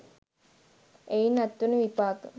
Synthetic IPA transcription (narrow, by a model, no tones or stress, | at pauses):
ejnat̪ːunəʋipaːkə